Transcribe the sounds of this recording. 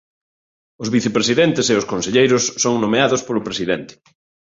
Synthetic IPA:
ozβiθepɾesiðɛnt̪eseʊskõnseʎejɾʊsːoŋnomeaðospolʊpɾesiðɛnt̪ɪ̥

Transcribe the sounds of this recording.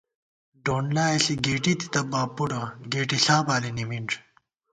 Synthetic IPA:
ɖoːnlaːeɬiɡeːʈit̪i̥t̪ɐbaːpːuɽɐɡeːʈiɬaːbaːlinimiɳʈ͡ʂ

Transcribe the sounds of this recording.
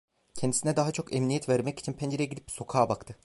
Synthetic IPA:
cʰɛnd̪isinɛd̪aɦat͡ʃʰo̞kɛmnijɛt̪væɾmɛci̥t͡ʃʰinpʰɛnd͡ʒeɾjɛɟid̪ip̚so̞kʰaːbakt̪ʰɯ

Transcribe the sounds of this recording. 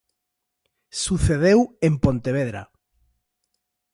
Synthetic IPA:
suθeðewempont̪eβ̞eðɾa̰

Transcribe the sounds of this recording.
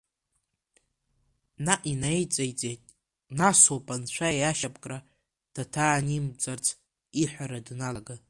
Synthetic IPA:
naʔinajt͡sʼajt͡sʼejtʼ | nasopʼant͡ɕʷʰaaʃapʼkʼra | d̥atʰaːnimt͡sʼart͡sʰ | iħʷaɾadnalaɡɨ

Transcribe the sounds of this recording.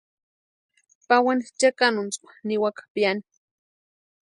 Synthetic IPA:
pawanit͡ʃakanʊnt͡spḁniwakḁpjani̥

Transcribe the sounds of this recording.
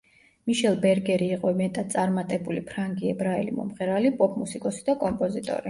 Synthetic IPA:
miʃɛlˠbɛɾɡɛɾiːqʼɔimɛt̪ʼad̪̚sʼaɾmat̪ʼɛbulipʰɾaŋɡiɛbɾaɛlḭmɔ̰mχɛɾalipʼɔpʼmusikʼɔsi̥d̪akʼɔmpʼɔzit̪ʼɔ̰ɾi

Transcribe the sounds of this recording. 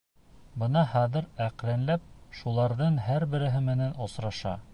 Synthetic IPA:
bɤnɑhɑðɘ̆ɾæqlænlæp̚ʃulˠɑɾðɤɴɦæɾbɘ̆ɾɘ̆ɦɘmɘ̆nænŏsɾɑʃɑ̰

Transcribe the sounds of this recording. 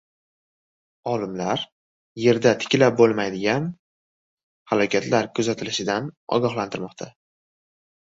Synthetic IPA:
ɒlɪmlaɾ | je̞ɾd̪at̪ʰɪ̥kʲlap̚bolˠmajd̪ɪɡʲan | halɒkʲʰat̪laɾkʰʊzat̪ʰɪlɪʃɪd̪anɒ̰ɡʲɒχlˠant̪ʰɪɾmɒqt̪ʰa

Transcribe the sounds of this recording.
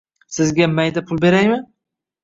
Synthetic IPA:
sɪzɡʲamajd̪apʰʊlˠbe̞ɾajmɪn

